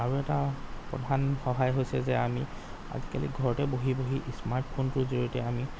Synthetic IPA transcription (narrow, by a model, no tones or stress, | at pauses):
aɹuɛtapɔ̰dʱanxɔɦajɦojsɛzɛami | a̰zikalḭɡʱɔɹɔtɛboɦiboɦiʔismaɹʈpʰontʊzoɹitɛami